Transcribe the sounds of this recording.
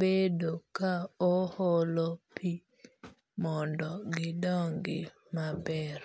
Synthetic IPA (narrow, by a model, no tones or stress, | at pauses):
bedokaohɔlopʰi | mɔndɔɡɪdɔŋɡɪ | mabɛɾ